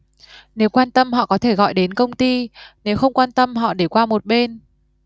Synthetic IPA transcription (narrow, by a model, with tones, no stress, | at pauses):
ne˨˦wkwaː˧nt̪ə˧mhɔ̰˧˨kɔ˨˦t̪ʰe˧˩ɣɔ̰˧˨jɗe˨˦nkə˧wŋ͡mt̪i˧ne˨˦wxə˧wŋ͡mkwaː˧nt̪ə˧mɦɔ̰˧˨ɗe˧˩kwaː˧mo˨˩t̚ɓe˧n